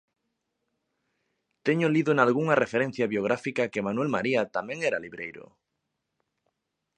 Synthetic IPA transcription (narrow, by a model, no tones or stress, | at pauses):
t̪eɲʊliðoenalɣuŋɐrefeɾẽn̟θjaβjoɣ̞ɾafikakemanuwɛlmaɾiat̪amẽŋɛɾaliβɾejɾʊ̰